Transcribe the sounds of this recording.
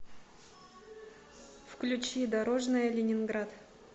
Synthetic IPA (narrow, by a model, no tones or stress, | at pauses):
fklʲʉt͡ɕid̪ɐɾoʐnɨjəlʲɪnʲɪnɡɾat̪